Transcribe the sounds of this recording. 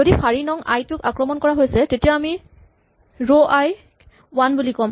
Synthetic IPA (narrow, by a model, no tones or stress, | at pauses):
odifʰaɹinɔŋa̰jtʊkakɹɔmɔnkɔɹaɦojsɛtetijaami | ɹoʔaj | wanbulikɔm